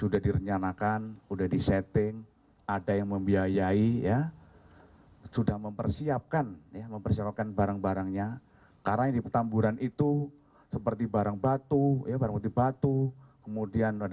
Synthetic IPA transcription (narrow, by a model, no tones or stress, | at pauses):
sudahdiɾəɲt͡ʃanakanudahdiset̪ɪŋ | adajaŋməmbiajaija | sudahməmpərsiap̚kanjaməmpərsiap̚kanbaɾaŋbaɾaŋɲa | kaɾaadipət̪ambuɾanʔit̪u | səpərt̪ibaɾaŋbat̪ujabaɾaŋbət̪ibat̪ukəmudianad